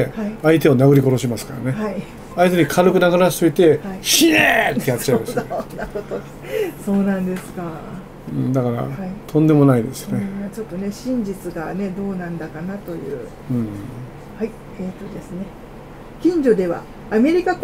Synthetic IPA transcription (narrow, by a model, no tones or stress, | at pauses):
ehaiait̪e̞o̞naɡɯ̟ɾʲiko̞ɾo̞ɕimasɨ̥kaɾa̰ne̞hai | ait̪eɲikʰaɾɯkɯ̟naɡaɾasɨbet̪e̞iɕinet̪ːejatːt͡ɕaimaseonːakot̪o | so̞ːnãnd̪e̞sɨ̥ka | ɯ̃d̪akaɾa̰hait̪ʰõ̞nd̪e̞mo̞naid̪e̞̰sɨ̥joneat͡ɕo̞t̪ːo̞ne̞ɕĩɲd͡ʑit͡sɨɡane̞d̪o̞ːnãnd̪akanat̪o̞jɯ̟̰ː | ɯ̃ː | hai | eːt̪ːo̞d̪e̞sɨne̞ | kʲĩɲ̟d͡ʑo̞d̪e̞βa̰ː | me̞ɾʲikak